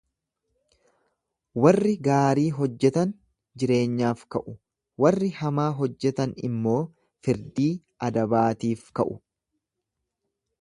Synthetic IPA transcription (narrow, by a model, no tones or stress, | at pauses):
wɐrːɪɡaːɾiːɦɔd͡ʒːɛt̪ɐn | d͡ʒɪɾe̞ːɲːaːfkɐʔʊ | wɐrːɪhɐmaːɦɔd͡ʒːɛt̪ɐnɪ̰mːo̞ː | fɪɾd̪iː | ɐd̪ɐbaːt̪iːfkɐʔʊ